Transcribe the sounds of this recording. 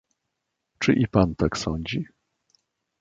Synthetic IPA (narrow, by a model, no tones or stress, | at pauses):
t͡ʂɘʔipant̪aksɔɲd͡ʑi